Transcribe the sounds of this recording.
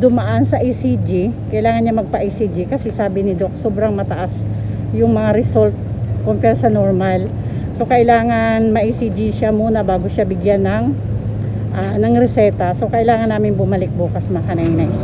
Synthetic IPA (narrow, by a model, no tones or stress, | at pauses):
d̪ʊmɐʔansɐʔisid͡ʒikɐʔɪlaːŋɐnɲamɐɡ̚pɐʔisid͡ʒikɐsɛsaːbɪnɪd̪o̞k̚soːbɾɐŋmɐt̪ɐʔas | jʊŋmɐŋaɾɪsolt̪̚kompɛɾsɐnoɹmal | so̞kɐʔɪlaːŋɐnmɐʔisid͡ʒiʃamuːnɐbaːɡoʃabɪɡjanɐŋ | ʔanɐŋɾɛsɛt̪ɐso̞kɐʔɪlaːŋɐnːaːmɪnbʊmɐlɪk̚buːkɐsmɐkɐnajnɐ